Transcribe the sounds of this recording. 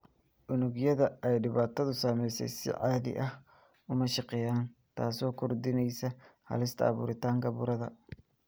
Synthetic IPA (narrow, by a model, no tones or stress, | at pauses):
ʔʊnʊɣjɐðɐɛjɖɪβaːt̪ʰɐðʊsaːmɛjsɛ̰jsɪ̰ʕaːðɪ̰ʔɐh | ʊmɐʃɑqɛːjaːnt̪ʰa̰ːsɔːkʰɔrd̪ɪnɛjsɐhɐ̰lɪst̪ʰɐ̰ɐ̰βṵːɾɪt̪ʰaːŋkʰɐβʊ̰ɾɐðɐ